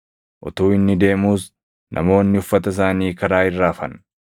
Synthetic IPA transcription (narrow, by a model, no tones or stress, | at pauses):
ʔɔ̰t̪uːɪnːɪd̪e̞ːmuːs | nʔɐ̰mo̞ːnːɪʊfːɐt̪ɐs̬aːniːkɐɾaːɪrːaːfɐ̰n